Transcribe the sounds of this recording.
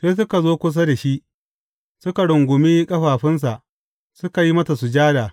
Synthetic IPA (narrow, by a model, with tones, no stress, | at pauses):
seː˦s̬ʊ˦ka˨zoː˦kʷʊ˦s̬a˦da˨ʃi˦ʔ | sʊ˦ka˨ɽʊ˨ŋɡʷʊ˨miː˦kʼɐ˦ɸaː˨ɸɪ˦ns̬a˨ʔ | sʊ˦ka˨ji˦mɐ˦sa˨sʊ˨d͡ʒaː˦daː˨